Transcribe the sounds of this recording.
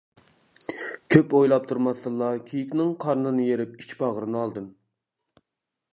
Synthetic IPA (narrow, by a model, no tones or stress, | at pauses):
kʲʰøpojlˠɑp̚t̪ʰuɾmɑsɨlˠːɑkʲʰijikʲnɪŋqʰɑɾnɨnɨjeɾɪp̚it͡ʃʲʰbɑʁəɾɨnɨɑlˠd̪ɨm